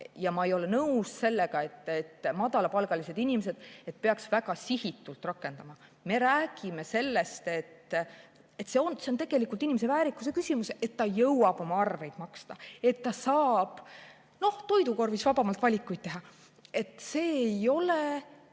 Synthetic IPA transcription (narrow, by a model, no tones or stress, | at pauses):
jɑmɑejo̞lenɤusse̞lːeɡ̥ɑe̞t̪ːet̪ːmɑd̪̥ɑlɑpɑlɡ̥ɑlise̞d̪inimese̞d̪̥e̞t̪̚peɑksvæɡɑsihit̪ːˑult̪ˑrɑkːˑe̞nd̪̥ɑmɑme̞ɾæːɡ̥ime̞se̞lːe̞st̪e̞t̪ | et̪ːse̞onseont̪eɡ̥e̞likˑult̪inʲimes̬e̞væːɾikːˑusekysʲimuse̞t̪ːɑjɤwwɑb̥o̞mɑɑrve̞jd̪mɑkst̪ɑe̞t̪ːɑsɑːb̥ | no̞ht̪o̞jd̪uko̞rvisvɑb̥ɑmɑlt̪vɑlʲikːˑujt̪̚t̪e̞ɦɑ | e̞t̪ˑse̞ːjo̞le